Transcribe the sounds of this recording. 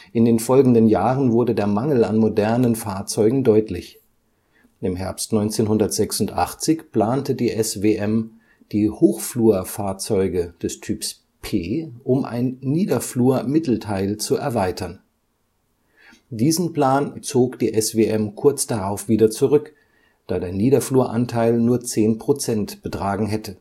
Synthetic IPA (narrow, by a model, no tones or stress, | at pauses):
ʔɪndeːnfɔlɡŋ̩dənjaːʁənvʊɐdədeːɐmaŋl̩anmodɛɐnənfaːɐt͡sɔʏɡŋ̩dɔʏtʰlɪç | ʔɪmɦɛɐpstnɔʏnt͡seːnɦʊndɐtz̥ɛksʊntʔa̰χt͡sɪçpl̥aːntədiːʔɛsveːʔɛm | d̥iːhoːxfluːɐfaːɐt͡sɔʏɡəd̥ɛstʰyːps | pʰeːʔʊmʔa̰ɪnːiːdɐfluːɐmɪtl̩tʰaɪlt͡suɛɐvaɪtʰɐn | d̥iːzn̩pl̥aːnt͡soːkd̥iːʔɛsv̥eʔɛmkʰʊɐt͡sd̥aʁaʊfv̥iːdɐt͡suʁʏk | d̥aːdeːɐniːɾɐfluːɐʔa̰ntʰaɪlnuːɐt͡seːnpʁ̥ot͡sɛntb̥ətʁ̥aːɡŋ̩ɦɛtə